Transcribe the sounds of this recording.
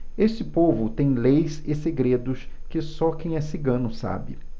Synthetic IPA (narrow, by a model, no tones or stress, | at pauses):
eʃt͡ʃɪpovʊt̪ẽj̃lejzɪseɡɾed̪ʊskɪsɔkẽj̃ɛsiɡɐ̃nʊsa̰bɪ̰